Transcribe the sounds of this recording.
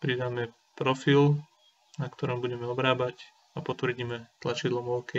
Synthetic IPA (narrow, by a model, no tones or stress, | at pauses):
pɾid̪aːmɛ | pɾɔfil | nakt̪ɔɾɔmbuɟɛmɛɔbɾaːbac | apɔt̪ʋr̩ɟiːmɛt̪lat͡ʃid̪lɔmɔʊkɛ